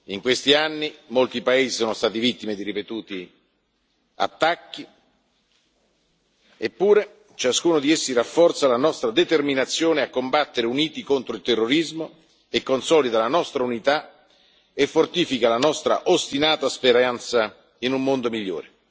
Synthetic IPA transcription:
iŋkwest̪ianːimolt̪ipaeːzisoːnost̪aːt̪ivit̪ːimed̪iɾipet̪uːt̪i | a̰t̪ːakːi | epːuːɾe | t͡ʃaskuːnod̪iesːirafːɔrt̪salanɔst̪ɾad̪et̪erminat̪sːjoːneakːombat̪ːeɾeuniːt̪ikont̪ɾoilt̪erːoɾizmo | ekːonsɔːlid̪alanɔst̪ɾaunit̪a | efːort̪iːfikalanɔst̪ɾa̰ʔost̪inaːt̪aspeɾant̪sa | inumːond̪omiʎːo̰ːɾe

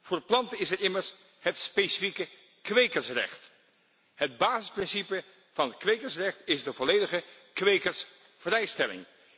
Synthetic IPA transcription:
vʊːɹplɑntəɪsɛɹɪməɹs | ɦətspejsi̥fikə | kʋejkəɹsrɛ̰χt | ɦəd̚baːzɪsprɪnsipə | v̥ɑnɦətkʋejkəɹsrɛχtɪzdəvɔlejdəχə | kʋejkəɹs | v̥rɛjstɛlɪ̰ŋ

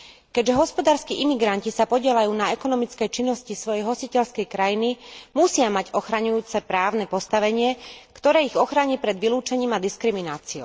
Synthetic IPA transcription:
kɛɟʒɛɦɔspɔd̪aːɾskiʔimiɡɾancisapɔɟɪɛlajuːnaɛkɔnɔmit͡skɛjt͡ʃinːɔscisʋɔjɛjɦɔsicɛʎskɛjkɾajinimusɪamaɟɔxɾaɲujuːt͡sɛpɾaːʊnɛpɔst̪aʋɛɲɪɛkt̪ɔɾɛːiɣɔxɾaɲipɾɛd̪ʋiluːt͡ʃɛɲiːmad̪iskɾiminaːt͡siɔʊ

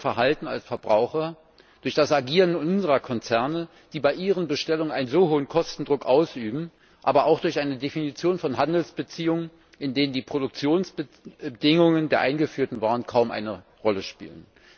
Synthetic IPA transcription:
fɛɐɦaltn̩a̰lsfɛɐbʁaʊxɐ | d̥ʊɐçd̥asaɡiːʁənʊnzəʁɐkʰɔnt͡sɛɐnə | d̥iːbaɪʔiːʁənbəʃtɛlʊŋənʔaɪnənzoːhoːənkʰɔstn̩dʁʊkʔaʊsʔyːbm̩ | ʔa̰ːbɐʔaʊxd̥ʊɐçʔaɪnədefinit͡sjoːnfɔnɦandl̩sb̥ət͡siːʊŋən | ɪndeːnəndiːpʁ̥odʊk̚t͡sjoːnsb̥ə | dɪŋʊŋəndeːɐʔaɪnɡəfyːɐtn̩vaːənkʰaʊmʔa̰ɪnə | ʁɔləʃpḭːlə̰n

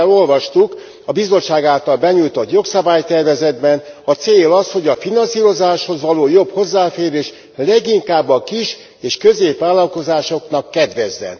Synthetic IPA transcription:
lo̞lvɒʃt̪uk | ɒbizo̞t͡ʃʃaːɡaːlt̪ɒlbɛɲujt̪o̞t̪jo̞ksɒbaːjt̪ɛrvɛzɛd̪bɛnɒt̪seːlɒsho̞ɟɒfinɒnsiːɾo̞zaːʃho̞zʋɒloːjo̞bho̞zːaːfeːɾeːʃ | lɛɡiŋkaːbːɒkiʃ | eːʃkø̞zeːpʋaːlːɒlko̞zaːʃo̞knɒkːɛd̪ʋɛzːɛ̰n

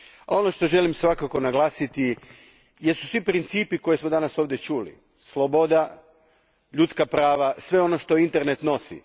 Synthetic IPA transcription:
ao̞no̞ʃt̪o̞ʒe̞limsʋakako̞naɡlˠaːsit̪i | jesu̥sʋipɾint̪siːpiko̞jesmod̪anaso̞ːʋd̪je̞t͡ʃuːlḭ | slˠobo̞d̪a | ʎut̪skapɾaːʋasʋe̞o̞no̞ʃt̪o̞int̪e̞ɾne̞t̪no̞sḭ

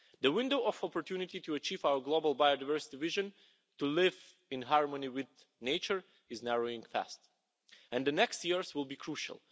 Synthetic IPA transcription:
ðəwɪ̃ndoʊɔfɔpɔɹtjunɪtituət͡ʃivaʊə˞ɡlobəlˠbajodavɜɹsɪ̥tivɪʒə̃n | tulɪv | ɪ̃nɦɑɹmə̃niwɪð | neɪt͡ʃə˞ | ɪznɛɹoʊɪ̃ŋfæ̰st | ɛ̃nðənɛkstjiɹzwɪlˠbikʰɹuʃə̰lˠ

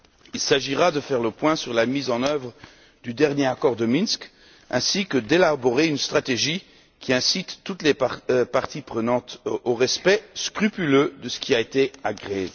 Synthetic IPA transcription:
ilsaʒiʁad̪əfɛʁləpwɛ̃syʁlamizɑ̃nœvʁ | d̪yd̪ɛʁnjeakɔʁd̪əminsk | ɛ̃sikəd̪elabɔʁeynst̪χat̪eʒi | kʲiɛ̃sit̪ːut̪lepaʁt̪ipχənɑ̃t̪oʁɛspɛskχypylød̪əsə̥kʲiaet̪eaɡʁe

